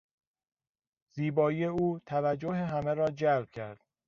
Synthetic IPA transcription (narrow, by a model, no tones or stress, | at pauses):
z̥iːbɒːijeuːt̪ʰævæd͡ʒːoɦeɦæmeɾɒːd͡ʒælb̥̚cʰæɾd̪̥